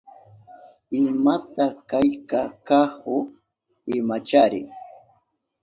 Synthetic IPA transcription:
ɪmat̪akajkakahʊ | ɪmat͡ʃaɾɪ̰ŋ

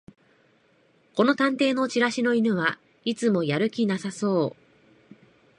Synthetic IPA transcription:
ko̞no̞t̪ãnt̪e̞ːno̞t͡ɕiɾaɕino̞inɯ̟βa | it͡sɨmo̞jaɾɯ̟kʲinasaso̞ː

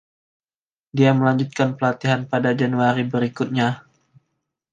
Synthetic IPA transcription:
diaməlaɲd͡ʒut̪̚kanpəlat̪iɦanpadad͡ʒanuaɾibəɾikut̪̚ɲa

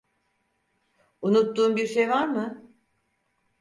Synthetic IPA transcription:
unut̪ːuːmbiɾʃejvaɾmɯ

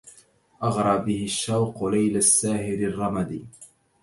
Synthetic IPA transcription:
ʔɑɣɾˤɑːbɪhɪʃːawqʊlajlasːaːhɪɾɪrˤːɑmad̪ḭː

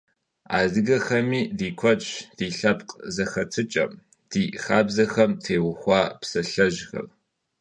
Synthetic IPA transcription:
a̰ːzɨɡɐxɐmiːdiːkʷʰɔt͡ʃd̥iːɬɐpqʼzɐxɐtʰɨt͡ʃʼɐ̰m | d̥iːxaːbzɐxɐmtʰeːwʊxʷɑːpsɐɬɐʒxɐ̰l

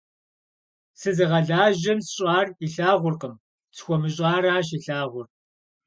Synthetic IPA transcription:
sɨzɨʁɐɮaːʒɐmsɕʼaːriɬaːʁʷʊrqəm | t͡sʰxʷɔmɨɕʼaːɾaːɕ̬iɬaːʁʷʊr

